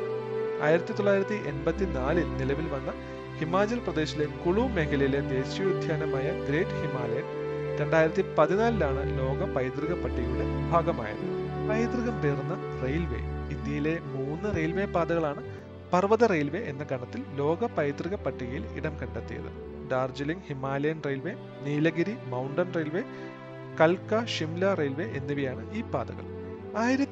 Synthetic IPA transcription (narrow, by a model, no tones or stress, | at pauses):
a̰ːjiɾɐt̪ːit̪oɭːaːjiɾɐt̪ːiʔe̞nbɐt̪ːinaːlilnilɐʋilʋɐnːɐ | himaːd͡ʑɐlprɐd̪e̞ːɕile̞kuɭume̞kʰɐlɐjile̞d̪e̞ːɕjuid̪ʱjaːnɐmaːjɐɡɾe̞ːʈːɨhimaːlɐjɐn | ɾe̞ɳɖaːjiɾɐt̪ːipɐðinaːlilaːɳɨ̰lo̞ːɡɐpɐjt̪riɣɐpːɐʈːiɣɐjuɽe̞bʱaːɡɐma̰ːjɐ̰pɐjt̪riɣɐmpeːrunːɐrejlʋe̞̰ind̪jɐjile̞muːnːɨrejlʋepaːd̪ɐɣɐɭaːɳɨ | pɐrʋɐðɨrejlʋe̞ʔenːɐɡɐɳɐt̪ːillo̞ːɡɐpɐjt̪riɣɐpːɐʈːiɣɐjilḭɽɐmkɐɳɖɐt̪ːijɐ̰ðɨ̰ | ɖaːrd͡ʑɐliŋɡhimːaːleːnrejlʋe̞ | niːlɐɡiɾimɐwuɳɖɐnrejlʋe | kɐlkɐʂimlɐrejlʋeʔenːiʋijaːɳɨʔiːpaːd̪ɐ̰ɣɐ̰ɭ | aːjiɾɐt̪ː